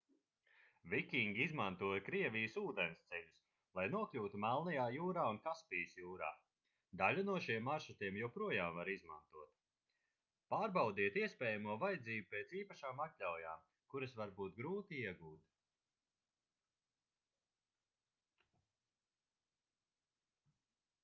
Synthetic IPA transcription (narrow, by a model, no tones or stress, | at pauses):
vikʲiŋɡʲiizmant̪uɔjkɾiɛvʲijəsuːd̪ɛnɪst̪sɛʎʲus | lˠajnuɔkʎʲuːt̪umælˠnajaːjuːɾaːunkaspijəsjuːɾa̰ː | d̪alʲunuɔʃiɛmːaɾʃut̪iɛmjɛwpɾuɔjaːmvaɾizma̰nt̪uɔt̪̚ | paːɾbawd̪iɛt̪iɛspʲɛːjamuɔvajad̪ziːbupɛːt̪siːpaʃaːmak̪ʎʲawjaːm | kuɾɐsvaɾbuːt̪̚ɡɾuːt̪iiɛɡuːt̪